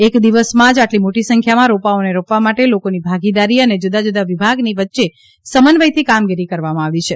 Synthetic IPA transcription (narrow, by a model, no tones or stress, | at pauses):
ekd̪iʋəsmãd͡ʒaʈlimoʈisə̃ŋkʰjamãɾopaoneɾopʋamaʈelokonibʱaɡid̪aɾiəned͡ʒud̪ad͡ʒud̪aʋibʱaɡniʋətːʃe | səmənʋəjt̪ʰikamɡiɾikəɾʋamãaʋit͡ʃʰe